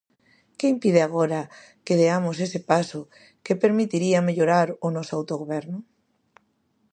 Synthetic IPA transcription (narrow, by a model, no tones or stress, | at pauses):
keimpið̞eaɣoɾa | keðeamosesepasʊ | kepeɾmit̪iɾiameʎoɾaɾʊnɔsoawt̪oɣoβɛɾnʊ